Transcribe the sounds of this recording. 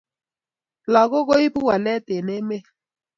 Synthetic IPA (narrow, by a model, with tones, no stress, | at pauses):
la˨ɣo˦ɣo˦i˦pu˦wa˨lɛ˦te˨ne˦me˦